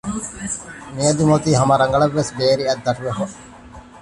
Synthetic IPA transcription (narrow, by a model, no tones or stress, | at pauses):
mijɐd̪umot̪iːɦɐmɐɾɐŋɡɐɭɐʋːesbeːɾiɐd̪ːɐʈuʋefo